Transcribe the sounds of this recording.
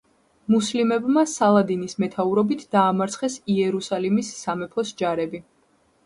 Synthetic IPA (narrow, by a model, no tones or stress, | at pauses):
muslimɛbmasalˠad̪inismɛt̪ʰauɾɔbit̪ʰd̪̥aːmaɾt̪sʰχɛsiɛɾusalimisːamɛpʰɔsd͡ʒaɾɛbi